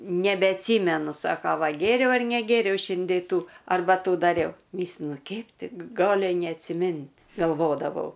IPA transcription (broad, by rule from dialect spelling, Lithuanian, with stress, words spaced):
nʲɛbʲɛɐtʲˈsʲiːmʲɛnʊ ˈsɑːkɐ ˈʋɐ ˈɡʲeːrʲɛʊ ɐr nʲɛˈɡʲeːrʲɛʊ ˈʃʲɪnʲdʲeː ˈtuː ɐrˈbɐ ˈtuː dɐˈrʲɛʊ ˈmʲiːsʲlʲɪnʊ ˈkʲɛɪp ˈtʲɪ k ˈɡɑːlʲɪ nʲɛɐtʲsʲɪˈmʲɪnʲtʲ ɡɐlˠˈʋoːdɐʋɐʊ